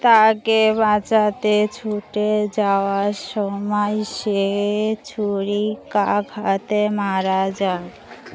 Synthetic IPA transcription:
t̪akebat͡ɕat̪et͡ɕʰuʈed͡ʑaoaɾʃɔmajʃet͡ɕʰuɾikaɡʱat̪emaɾad͡ʑaɡ

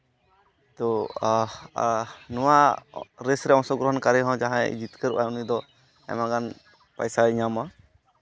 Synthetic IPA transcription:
t̪ɔ | nɔwaɾesɾɛɔ̃sɔɡɾɔɦɔnkaɾɛɦɔ̃d͡ʒaɦãɛ̰d͡ʒit̪kəɾuʔaunid̪ɔ | ɛ̰maɡan | pa̰jsaiɲama

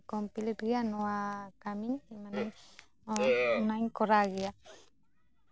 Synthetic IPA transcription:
kompilet̪ɡianoakamiɲimanaɲ | naɲkoɾaɣia

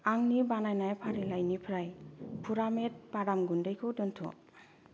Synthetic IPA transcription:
aŋnibanajnajpʰaɾilajnipʰɾajpʰuɾamet̚baɾamɡundajkʰɯwdɯntʰɔ̰

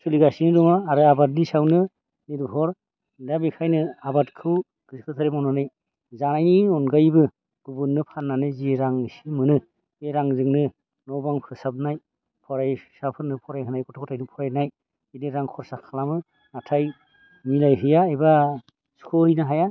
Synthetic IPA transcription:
suliɡasinɯdɔmaːɾɯabat̬̚nisawnɯ | niɾbʱɔɾ | dabikʰajnɯabatkʰɯw | ɡ̥ɯskʰɯtʰaɾemɔnɔnɯj | zanajniɔnɡajbɯ | ɡ̥ubunːɯpʰanːanɯzeɾaŋisimɯnɯ | eɾaŋzɯŋnɯ | nɔwbaŋpʰɯsap̚naj | pʰɔɾajsapʰɯɾnɯpʰɔɾajɦɯnajkʰɔtʰɔkʰɔtʰajnɯpʰɔɾajnaj | inɯɾaŋkʰɔɾsakʰalamɯ | natʰaj | nilajɦɯjaeba | skʰɔɾinaɦaja

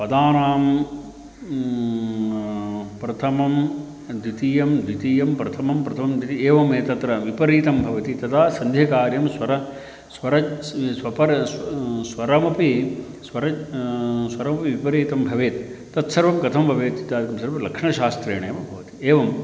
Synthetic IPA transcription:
pɐd̪aːnaːm | pɾɐt̪ʰɐmɐm | d̪it̪ijɐmd̪ʱit̪ijɐmpɾɐt̪ʰɐmɐmpɾɐt̪ʰɐmɐmd̪it̪ieːʋɐmeːt̪ɐt̪ɾɐʋipɐɾiːt̪ɐmbʱɐʋɐt̪it̪ɐt̪ʰaːsɐnd̪ʱjɐkaːɾjɐmsʋɐɾɐ | sʋɐɾɐt͡ʃsʋɐpɐɾssʋɐɾɐmɐpisʋɐɾɐt͡ʃ | sʋɐɾɐmɐpiʋipɐɾiːt̪ɐmbʱɐʋeːt̪ː | ɐt̪sɐɾʋɐmkɐt̪ʰɐmbʱɐʋeːt̪t͡ʃit̪jaːd̪ikɐmsɐɾʋɐlɐkʂɳɐʃaːst̪ɾeːɳɐjɐmɐbʱɐʋɐt̪i̥eːʋɐm

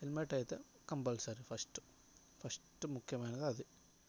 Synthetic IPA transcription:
helmeʈɐːjt̪ːe | kɐmbɐlsɐɾifʰɐsʈɨ̥ | fʰɐsʈɨmukʰːjɐmaːjnɐd̪ɐd̪i

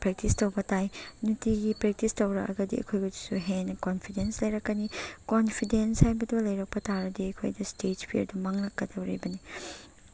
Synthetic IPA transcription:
pɾek̚tistowbɐtajnutiɡipɾek̚tistɐwɾɐkɐ̰ɡɐdḭɐ̰kʰojɡudu̥suɦenɐkonpʰidenslɐjɾɐkːɐnikonpʰidenshajbɐdulɐjɾɐk̚pɐtaɾɐdiɐkʰo̰jdɐstetpʰḭɾdumaŋnɐkːɐdɐwɾḭbɐni

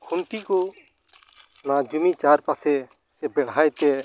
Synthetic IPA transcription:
kʰuɳʈikɔ | nad͡ʒumit͡ʃaɾpasɛ | sɛbɛɽ̤ajt̪ɛ

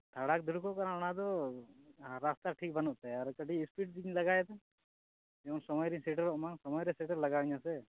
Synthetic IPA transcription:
t̪ʰaɽak̚d̪uɾkɔʔkaɾaɔnad̪ɔ | ɾast̪aʈʰik̚bənɔʔt̪aaɾkəɖiispiʈ̚d̪iɲlɐɡaɛt̪ɛ | ɛunsɔmɔjɾisɛʈəɾɔʔmaŋsɔmɔjɾɛsɛʈəɾlɐɡaɲãsɛ

